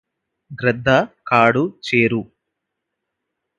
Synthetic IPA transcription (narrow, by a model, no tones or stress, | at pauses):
ɡɾɛd̪ʱːɐkaːɽut͡ʃeːɾu